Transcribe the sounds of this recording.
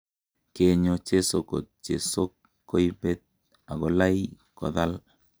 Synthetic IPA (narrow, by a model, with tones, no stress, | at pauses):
ke˨ɲo˨t͡ʃe˦so˨ko̰˨t̚t͡ʃe˨so˦kː | o˦i˦be˦t̪̚ | a˨ɡɔ˨la˦i | kɔ̰˨ða˦l